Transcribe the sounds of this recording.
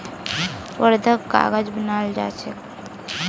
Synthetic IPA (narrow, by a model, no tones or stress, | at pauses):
wəɾd̪ʱəkɡa̰ːɡəd͡ʒbənald͡ʒa̰ːt͡ʃʰe